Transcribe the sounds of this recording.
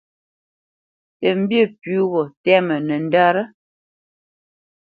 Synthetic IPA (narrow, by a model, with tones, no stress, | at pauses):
tə˨m̩˦bjə˦˨pʉ˨˦ɣɔ˨tɛ˦mə˨nə˨n̩˦da˦ɾə˦